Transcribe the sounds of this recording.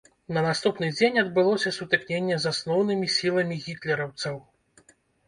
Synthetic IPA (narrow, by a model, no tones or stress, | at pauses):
nɐnast̪upnɨd͡zʲenʲɐd̪̚bɨlˠɔsʲɐsut̪ɨknʲenʲːɛzasnɔwnɨmʲisʲilˠɐmʲiɣʲit̪lʲɛɾɐwt̪sɐw